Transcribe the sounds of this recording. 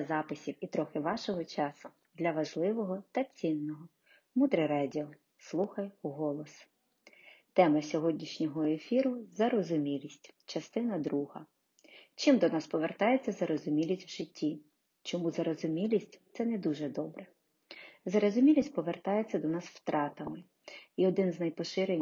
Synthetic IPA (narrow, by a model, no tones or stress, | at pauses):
ɐzɑpɪsʲiwit̪ɾɔxɪʋɑʃɔɦɔt͡ʃɑsʊ | d̪lʲɐʋɐʒlˠɪʋɔɦɔt̪ɐt͡sʲinːɔɦɔ | mud̪ɾɛɾɑdʲiɔ | slˠuxɐjuɦɔlˠɔs | t̪ɛmɐsʲɔɦɔdʲnʲiʃnʲɔɦɔefʲiɾʊzɐɾɔzʊmʲilʲisʲtʲt͡ʃɐst̪ɪnɐd̪ɾuɦɐ̰ | t͡ʃɪmd̪ɔnɑspɔʋert̪ɑjet͡sʲːɐzɐɾɔzʊmʲilʲisʲtʲwʒɪtʲːi | t͡ʃɔmuzɐɾɔzʊmʲilʲisʲtʲt̪sɛnɛd̪uʒɛd̪ɔbɾɛ | zɐɾɔzʊmʲilʲisʲt̚ʲpɔʋert̪ɑjet͡sʲːɐd̪ɔnɑswt̪ɾʔɑt̪ɐmɪ | iɔd̪ɪnznɐjpɔʃɪɾɛ